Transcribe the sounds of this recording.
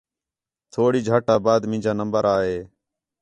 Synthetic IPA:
t̪ʰoːɽiːd͡ʒʱaːʈaːbaːd̪mɪ̃ːd͡ʒaːnəmbəɾaːɦeː

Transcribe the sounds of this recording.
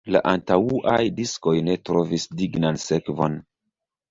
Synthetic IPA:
la̰ʔantauʔajdisko̞jne̞tɾo̞visdiɡnanse̞kvo̞̰n

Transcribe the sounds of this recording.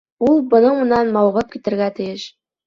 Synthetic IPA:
ulˠbɤ̆nɤ̆mŭnɑnmɑwʁɤ̆p̚kʲit̪ɘ̆rɣæt̪ɘ̆jɘ̆ʃ

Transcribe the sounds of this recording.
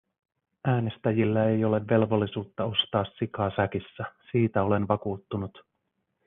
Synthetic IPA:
æːne̞st̪æjilːæe̞jo̞le̞ʋːe̞lʋo̞lːisuːt̪ːɑo̞st̪ɑːsːikɑːsækisːæsiːt̪æo̞le̞nʋɑkuːt̪ːunut̪

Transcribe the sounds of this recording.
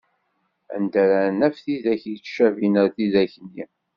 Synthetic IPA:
æ̰nd̪æɾænæfθiðæçjət͡sːʃævinəɾθiðæçənːi

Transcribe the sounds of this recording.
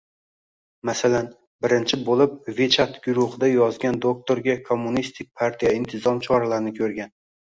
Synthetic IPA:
masalan | bɪɾɪnt͡ʃʰɪbolˠɪp̚vet͡ʃʰat̪ɡʲʊɾʊhɨd̪ajɒzɡʲand̪ok̚t̪ʰoɾɡʲakʰo̞mːʊnist̪ʰɪk̚ʲpʰaɾt̪ʰijaɪnt̪ʰɪzɒmt͡ʃʰɒɾalaɾɪnɪkʲʰɵɾɡʲan

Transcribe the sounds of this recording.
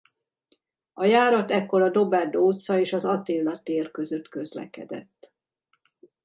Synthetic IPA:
ɒjaːɾɒt̪ɛkːo̞ɾɒd̪o̞bɛrd̪oːt̪sɒeːʃɒzɒt̪eːlːɒt̪eːrkø̞zø̞t̪kø̞zlɛ̰kɛ̰d̪ɛ̰t̪ː

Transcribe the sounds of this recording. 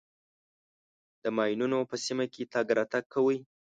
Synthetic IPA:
d̪̥əmɑjnunopəsimaket̪ɑɡɾat̪aɡ̚kːawəj

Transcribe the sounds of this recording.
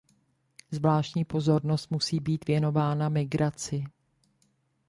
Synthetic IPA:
zvlaːʃcɲiːpo̞zo̞ɾno̞st̪musiːbiːt̪vjɛno̞vaːnamɪɡɾat͡sɪ

